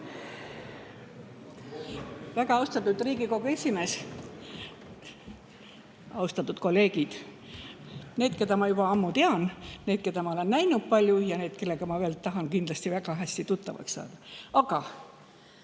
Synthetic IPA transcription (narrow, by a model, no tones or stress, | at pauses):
væɡ̥ɑɑwst̪ɑt̪ːˑud̪riːɡiko̞ɡue̞sʲime̞ːs | ɑust̪ɑt̪ːˑut̪ko̞lːe̞ːɡ̥id̪̥ | ne̞ːd̪ke̞d̪ɑmɑjub̥ɑɑmːut̪eɑnne̞ːd̪̥̚ke̞d̪ɑmɑole̞nːæjnut̪̚pɑlʲjujɑne̞ːd̪̥̚ke̞lːe̞ɡ̥ɑmɑveːlt̪ːɑɦɑnkind̪lɑsʲt̪ivæɡ̥ɑɦæsʲt̪it̪ut̪ːˑɑvɑ̰ksːɑ̰ːd̪̥ɑɑɡ̥ɑ